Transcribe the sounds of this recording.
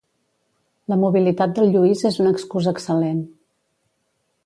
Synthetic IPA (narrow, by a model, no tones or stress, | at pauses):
ləmuβilit̪at̪̚d̪əlˠʎuizezunəkskuzəksəlen